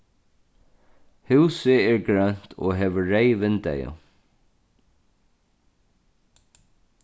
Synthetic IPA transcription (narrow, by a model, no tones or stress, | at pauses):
hʉːsɪɛɹɡɹœn̥t̪ʰɔ̰ɦɛːʋəɹeɪʋɪnt̪ɛ̰jʊ̰